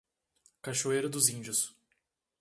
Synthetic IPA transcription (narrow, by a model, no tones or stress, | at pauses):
kaʃoejɾʊd̪ʊzĩnd͡ʒʊs